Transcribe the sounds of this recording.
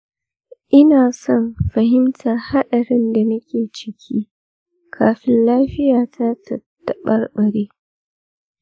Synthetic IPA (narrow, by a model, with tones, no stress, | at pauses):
ʔɪ˦naː˨sɔ˦nɸɐ˨hɪ˦mtʰa˨rha˦ɗɐ˨ɽɪ˦nda˨nɐ˦kʲeː˨t͡ʃɪ˨kʲʰiː˦ | kʰaː˦ɸɪ˦nlaː˦ɸɪ˦jaː˨tʰa˦tʰɐ˨tːɐ˨ɓɐ˦rɓɐ˨ɽeː˦